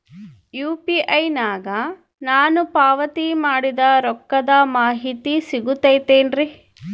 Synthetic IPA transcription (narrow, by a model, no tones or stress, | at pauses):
juːpiʔɐjnaːɡɐ | naːnupaːʋɐt̪imaːɽid̪ɐɾɔkːɐd̪ɐmaːɦit̪isiɡut̪ːɐjt̪eːnɾi